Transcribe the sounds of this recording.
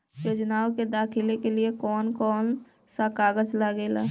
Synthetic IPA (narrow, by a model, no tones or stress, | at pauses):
joːd͡ʒnaːwked̪aːkʰɪlekeliekɔːnkɔːn | sakaːɡəd͡ʒlaɡeːla̰ː